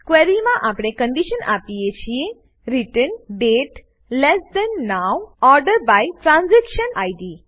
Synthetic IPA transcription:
kʋɛɾimãʔapɽ̃ekə̃ɳɖiʃəna̰pijet͡ʃʰie | ɾiʈənɖeʈ | lɛsd̪ɛnːawɔɾɖəɾbajʈɾãnzɛkʃənajɖi

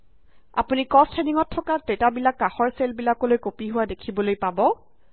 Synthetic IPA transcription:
a̰punikɔstʰeniŋɔtʰːɔkatetabilakːaxɔɹselbilakɔlojkopiɦʊwadekʰibɔlojpabɔ

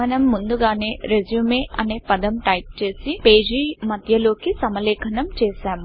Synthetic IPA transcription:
ɐnɐmːund̪uɡaːneːɾed͡ʒjuːmeːʔɐneːpɐd̪ɐmʈɐjp̚t͡ʃe̞ːsipeːd͡ʒimɐd̪ʱjɐlo̞ːkisɐmɐlɛːkʰɐnɐmt͡ʃɛːʃaːmu

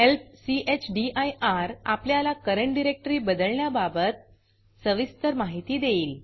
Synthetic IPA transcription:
elpsiʔet͡ɕɖiʔajʔaɾa̰pljalakəɾəɳʈɖiɾek̚ʈəɾiːbəd̪əɭɳjababət̪̚ | səʋist̪əɾmaɦit̪iːd̪eiːl

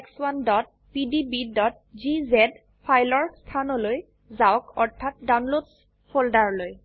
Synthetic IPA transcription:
ekswandɔt̚ | pidibidɔt̚ | zizɛd | pʰajlɔɹstʰanɔloj | zawkɔɹtʰːat̚dawnlods | pʰoldaɹloj

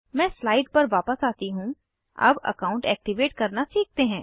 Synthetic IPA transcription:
mɛ̃ːslaːɪʈ̚pɐɾʋaːpəsaːt̪iɦũ | ɐ̰bɐ̰kaːʊ̃ɳʈɛːk̚ʈiʋeːʈkɐɾnasiːk̚t̪eɦɛ̃ː

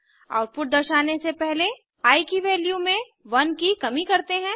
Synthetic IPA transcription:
a̰ːʊʈ̚pʊʈ̚d̪ɐɾʃaːnesepɛɦle | aːikiʋeːljumẽ | ʋɐnkikɐmikɐɾt̪eɦɛ̃ː

